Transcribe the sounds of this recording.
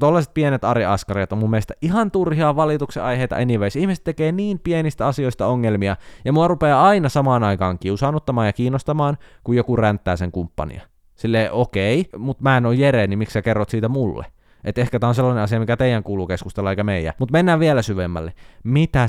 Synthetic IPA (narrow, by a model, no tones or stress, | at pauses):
t̪olːɑse̥t̪̚pienet̪ɑɾiɑskɑriɑt̪ommumːiest̪æʔihɑnt̪urhiɑʋɑlit̪ukseɑjheit̪ɑ̰ʔeniʋeisihmisĕ̥t̪ːekeːniːmpienist̪æɑsioist̪æoŋːelmiɑjɑmuɑrupeːɑinɑsɑmɑːnɑikɑːŋkiusɑːnːut̪ːɑmɑːjɑkiːnːost̪ɑmɑːnkujokurænt̪ːæːseŋkumpːɑ̰nḭɑ̰ | silːeːʔokeimut̪mæːenojjeɾeːnimiksækerːot̪siːt̪æmulːḛ | ʔet̪ehkæt̪æːonselːɑnenɑs̬iɑmikæt̪eijæŋkuːluːkeskust̪elːɑeikæmeijˑæ̰mut̪menːæːʋʋielæsyʋemːæ̰lːemit̪æ